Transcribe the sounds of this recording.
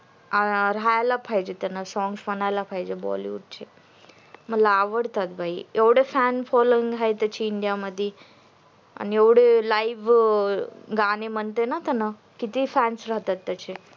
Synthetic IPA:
aɾajlapʰajd͡ʑet̪anasɔ̃ŋɡsbənajlapʰajd͡ʑebɔ̰lḭṵɖ̚t͡ɕʰe | m̤əlaːʋəɽt̪at̪̚bʱaieʋɽefænfɔloĩŋɡɦajt̪ət͡ɕʰiːɳɖijaməd̪ʱːe | a̰nieʋɽelaiʋ | ɡaneməɳt̪enat̪ana | kit̪ifænsɾaɦt̪at̪ːət͡ɕʰe

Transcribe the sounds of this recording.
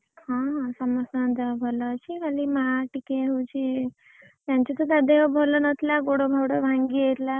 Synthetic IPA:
hãɦãsəmɔsd̪eʋbʱɔlɔt͡ɕʰikʰalimaʈikeɦut͡ɕe | t̪jaɲt͡ɕɔt̪ɔd̪ad̪eʋbʱɔlɔnət̪ʰlaɡoɽobʱɔwɽɔbʱãŋɡiəɾla

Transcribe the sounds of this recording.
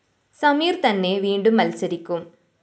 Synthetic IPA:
sɐmiːɾt̪ɐnːeːʋiːɳɖɯmːɐlsɐɾɪkʲːɯm

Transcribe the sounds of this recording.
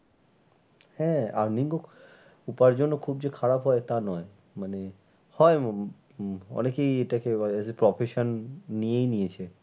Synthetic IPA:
hɛ̃a̰ɾniŋɡo | upaɾd͡ʑonːokʰub̚d͡ʑekʰaɾapɦɔet̪anɔe | mane | hɔe | ɔ̰nekejeʈakeaepɾɔfʰeʃonːijejnijet͡ɕʰe

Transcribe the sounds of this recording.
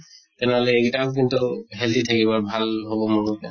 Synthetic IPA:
tɛnɛɦɔlɛːkitak̬intuɦɛltitʰakiβɔɹbʱalhobɔmunutɛ

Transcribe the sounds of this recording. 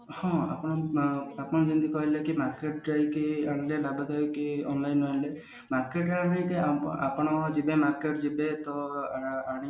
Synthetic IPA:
hɔ̃a̰pɔɽ̃ɔapɔ̃d͡ʒind̪ikɔɦilekimaɾkeʈd͡ʒajkiaɽ̃ilelabad͡ʒajkiɔnlajnːɔɦile | maɾkeʈaajkea̰pɔɽ̃ɔd͡ʒibemaɾkeʈd͡ʒibet̪ɔ | aɽ̃i

